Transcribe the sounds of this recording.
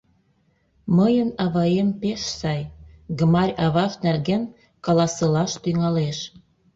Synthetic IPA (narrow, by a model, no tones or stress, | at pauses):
məjənɑβɑjempeʃsɑjɡəmɑrʲɑβɑʃnærɣen | kɑlɑsɤlɑʃt̪yŋɑleʃ